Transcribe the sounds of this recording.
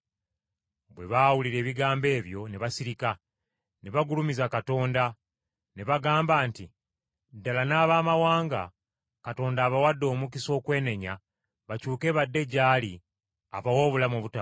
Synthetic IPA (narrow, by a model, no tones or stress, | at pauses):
bwe̞βawuliɾe̞ːβiɡaːmbe̞ːβjo̞neβasiɾika | neβaɡulumizakato̞ːnda | neβaɡaːmbaːnti | dalanaːβaːmawaːŋɡa | kato̞ːndaːβawadːo̞ːmukiso̞ːkwe̞ːne̞ɲa | βacuːke̞βadːe̞ɟaːli | aβawoβulamuβuta